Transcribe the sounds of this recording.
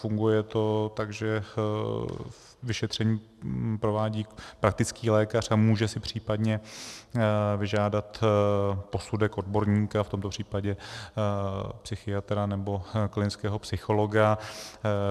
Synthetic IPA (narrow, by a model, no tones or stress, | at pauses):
fuŋɡujɛt̪o̞t̪aɡʒɛ | vɪʃɛt̪r̝̥ɛɲiː | pɾo̞vaːɟiːpɾak̚t̪ɪt͡skiːlɛːkar̝amuːʒɛsɪpr̝̥iːpadɲɛ | vɪʒaːdat̪ | po̞sudɛkʔo̞dbo̞ɾɲiːkaft̪o̞mt̪o̞pr̝̥iːpaɟɛ | psɪxɪat̪ɾanɛbo̞klɪnɪt͡skɛːɦo̞psɪxo̞lo̞ɡa